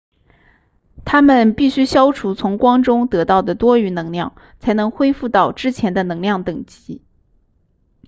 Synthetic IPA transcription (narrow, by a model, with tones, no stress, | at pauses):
t̪ʰa˥mə˨npi˥˩ɕy˥ɕjɑ˥ʊʈ͡ʂʰu˧˥t͡sʰʊ˧˥ŋkwɑ˥ŋʈ͡ʂʊ˥ŋt̪ɤ˧˥t̪ɑ˥˩ʊd̪ə˩t̪wɔ˥y˧˥nɤ˧˥ŋljɑ̰˥˩ŋ | t͡sʰa˧˥ɪnɤ˧˥ŋxwe˥ɪfu˥˧t̪ɑ˥˩ʊʈ͡ʂɻ̩˥t͡ɕʰjɛ˧˥nd̪ə˧nɤ˧˥ŋljɑ˥˩ŋt̪ɤ˨˩ŋt͡ɕi˧˥